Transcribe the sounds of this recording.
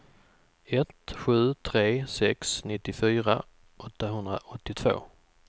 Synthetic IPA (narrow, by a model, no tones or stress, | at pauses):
ɛt̪ɧʉ̟ːt̪ʰɾeːsɛksnɪt̪ːɪfyːɾa̰ | ʔɔt̪ːaɦɵnd̪ɾa̰ʔɔt̪ːɪt̪ʰv̥o̰ː